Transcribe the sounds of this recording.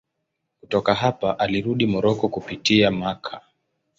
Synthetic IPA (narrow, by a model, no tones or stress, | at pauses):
kutɔkaɦapaʔaliɾuɗimɔɾɔkɔkupitiamakʰa